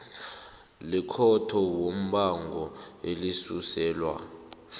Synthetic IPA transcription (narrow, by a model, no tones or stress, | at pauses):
likʰɔtʰɔwom̩ɓaŋɡʱɔelisusɛːlwa̰